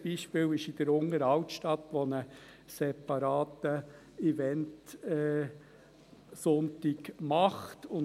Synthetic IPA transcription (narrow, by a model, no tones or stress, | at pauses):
b̥iːʃpɪːwɪʃɪd̥̪əɾʊŋəɾɑwtʃtɑt̪ːʋɔnə | sɛpɑɾɑːt̪ə | ivɛntɛ | sɔnt̪ɪɡmɑχt̪ʊn